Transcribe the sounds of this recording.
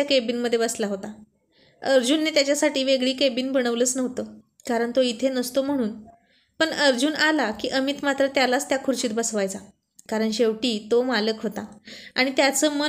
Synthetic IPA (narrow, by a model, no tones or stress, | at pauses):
akebiːnməd̪ʱːjebəslaɦot̪a | əɾd͡ʑunːet̪jat͡ɕjasaʈiːʋeɡɭiːkebiːnbəɽ̃əʋləːt͡snəɦt̪əː | kaɾəɳt̪oit̪ʰenəst̪om̤əɽ̃uːn | pəɳəɾd͡ʑuːnalakiːʔəmit̪mat̪ɾət̪jalat͡st̪jakʰuɾt͡ɕiːt̪bəsʋajt͡sa | kaɾəɳɕeʋʈiːt̪omaləkɦot̪aaɽ̃it̪jat͡səːmə